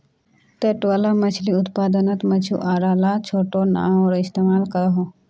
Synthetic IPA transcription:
t̪eʈolamɐt͡ʃʰliʊt̪paːd̪ənət̪mɐt͡ʃʰṵʔaːɾaːlat͡ʃʰoːʈona̰ːmɔːɾɪst̪eːmaːlkɐɾɦõ

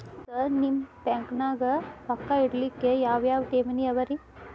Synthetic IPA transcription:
sɐɾnimpeŋknaɡɐpɐkːaiɽlikːejaːʋjaːʋʈeːmɐniɐʋɐɾi

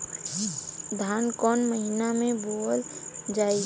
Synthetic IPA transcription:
d̪ʱaːnkɔːnməɦɪnamẽboːld͡ʒaːi

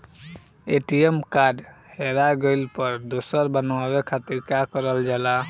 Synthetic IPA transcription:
eʈiemkaɖheɾaɡəɪlpəɾd̪osəɾbənʋabekʰat̪iɾkakəɾəld͡ʒala

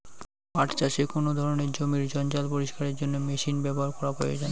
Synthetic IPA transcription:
aʈt͡ɕaʃekonod̪ʱɔɾoneɾd͡ʑomiɾd͡ʑɔnd͡ʑalpoɾiʃkaɾeɾd͡ʑonːomeʃinbɛboɦaɾkɔɾaɦoḛd͡ʑan

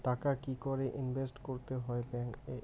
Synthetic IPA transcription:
ʈakakikoɾeʔinbʱesʈkoɾt̪eɦɔebɛŋke

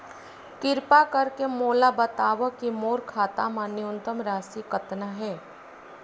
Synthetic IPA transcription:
kɪɾpakɐɾkemoːlabɐt̪aːʋəkːimoːɾkʰaːt̪amãnɪʊnt̪əmɾaːsikɐt̪naɦɛː

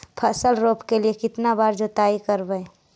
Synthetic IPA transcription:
pʰəsəlɾoːpkeliekɪt̪nabaːɾd͡ʒot̪aːikəɾbəe

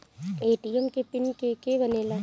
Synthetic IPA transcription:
eːʈiəmkepɪnkekebəneːla

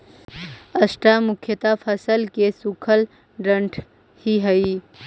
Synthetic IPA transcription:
əsʈamʊkʰjət̪apʰəsəlkesukʰəl | ɖɐ̃ɳʈʰ | hiɦɐi

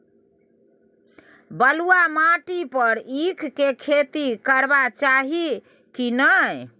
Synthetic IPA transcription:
bəluamaʈipəɾikʰkekʰet̪ikəɾbat͡ʃaɦi | kinəj

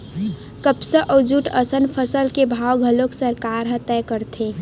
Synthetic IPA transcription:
kəpsəʔɔd͡ʒuʈəsənpʰəsəlkebʱawɡʱəloksəɾkaɾɦə̃t̪ɛkəɾt̪ʰẽ

